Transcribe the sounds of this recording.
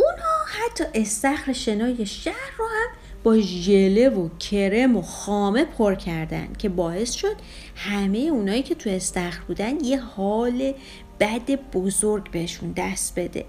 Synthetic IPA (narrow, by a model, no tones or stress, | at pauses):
ʔunhɒːhæt̪ʰːɒːʔe̞st̪æxɾeʃe̞nɒːje̞ʃæhɾrɔːhæm | b̥ɒːʒele̞vocʰe̞ɾe̞moxɒːme̞pʰoɾcʰæɾd̪æ̰nd̪̥cʲʰe̞bɒːe̞sʃo̞d̪̥ | hæme̞jeunɒːiːcʰe̞t̪ʰue̞st̪æxɾbuːd̪ænd̪je̞hɒːle̞ | b̥æd̪e̞b̥ozoɾɡbe̞heʃund̪æst̪b̥e̞d̪ḛ